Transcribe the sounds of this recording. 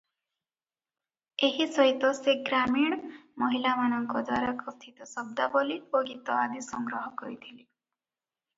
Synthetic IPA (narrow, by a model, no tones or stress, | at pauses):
eɦisɔɦit̪ɔseɡɾamiɽ̃mɔɦilamañɔŋkɔd̪waɾakɔst̪ʰit̪ɔsɔb̚d̪abɔlioɡit̪ɔad̪isɔŋɡɾɔɦɔkɔɾit̪ʰili